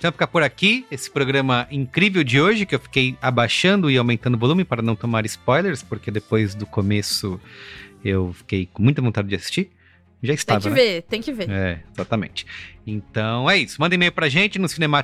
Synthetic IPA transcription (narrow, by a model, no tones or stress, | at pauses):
t̪ɐ̃m̃fi̥kapoɾakiesɪ̥pɾoɡɾɐ̃mɐʔĩŋkɾivewd͡ʒɪoʒɪkɪewfi̥kejabaʃɐ̃nd̪ʊɪawmẽnt̪ɐ̃nd̪ʊvolũmɪpaɾɐnɐ̃w̃t̪omaɾɪspɔjleɾspoɾked̪epojzd̪ʊkomesʊ | ewfi̥kejkõmũj̃t̪ɐvõt̪ad͡ʒɪd͡ʒɪasi̥st͡ʃi | ʒaist̪ãṽkɐɪvet̪ẽj̃kɪveɛezat̪ɐmḛ̃nt͡ʃɪ̥ẽt̪ɐ̃w̃ɛisʊmɐ̃nd̪ɐ̃emejʊpɾɐʒẽnt͡ʃɪnʊsinẽma